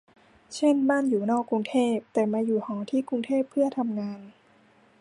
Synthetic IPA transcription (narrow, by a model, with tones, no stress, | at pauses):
t͡ɕʰe˥˩nbaː˥˩˨njuː˨˩nɔː˥˩kːɾu˧ŋt̪ʰeː˥˩p̚t̪ɛː˨˩maː˧juː˨˩hɔː˩˦t̪ʰiː˥˩ku˧ŋt̪ʰeː˥˩pʰːɯ˥˩ɐt̪ʰa˧mŋaː˧n